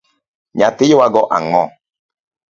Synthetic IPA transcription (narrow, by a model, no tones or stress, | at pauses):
ɲatɪjowaɡɔʔa̰ŋɔ